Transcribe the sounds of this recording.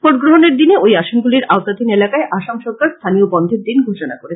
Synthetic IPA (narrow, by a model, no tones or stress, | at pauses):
poɾɡɾoɦoneɾd̪ineojaʃonɡuliɾaot̪at̪inelakaeʔaʃamʃɔɾkaɾst̪ʰanijobɔnd̪ʱeɾd̪inɡʱoʃonakoɾet͡ɕʰ